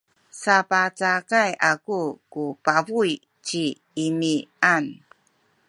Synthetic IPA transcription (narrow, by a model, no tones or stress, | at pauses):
sapat͡sakajakukupavuj | t͡ɕiː | nian